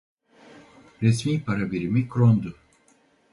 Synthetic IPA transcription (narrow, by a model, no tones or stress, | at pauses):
ɾɛsmiːpʰaɾabiɾimikɾond̪u